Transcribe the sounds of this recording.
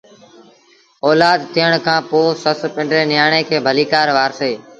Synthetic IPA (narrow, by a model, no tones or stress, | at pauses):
oːlaːd̪t̪ʰɪjəɳkʰãːpoːsəspɪ̃ɳɖɾeːnɪjaːɳẽːkʰeːbʱəliːkaːɾʋaːɾseː